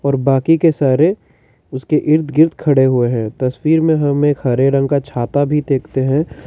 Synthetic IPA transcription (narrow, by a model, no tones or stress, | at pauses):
ɔːɾbaːkikesaːɾe | ʊskeʔɪɾt̪ʰɡɪɾt̪kʰɐɽeɦʊeɦɛ̃ːt̪ɐswiːɾmẽɦɐmeːkhɐɾeɾə̃ŋɡkat͡ʃʰaːt̪abʱid̪eːkʰt̪eɦɛ̃ː